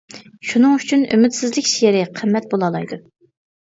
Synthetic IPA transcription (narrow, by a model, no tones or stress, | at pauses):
ʃunɨŋyt͡ʃʰyny̰mɪt̪sɪzlɪkʲʃieɾɪqʰəmːɛt̪̚bolˠɑlˠɑjd̪u